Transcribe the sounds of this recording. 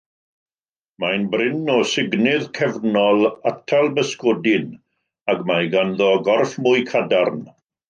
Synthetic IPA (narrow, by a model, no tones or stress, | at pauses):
majnbrɪnɔsɪɡnɪðkʰɛvnɔlˠatʰalˠbəskodɪn | aɡmajɡanðɔɡɔrfmʊjkʰadarn